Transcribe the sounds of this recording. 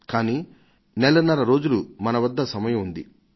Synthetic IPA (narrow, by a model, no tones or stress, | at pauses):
kaːniː | nɛlɐnːɐɾɐɾo̞ːd͡ʒulumɐnɐʋɐd̪ːɐsɐmɐjɐmund̪i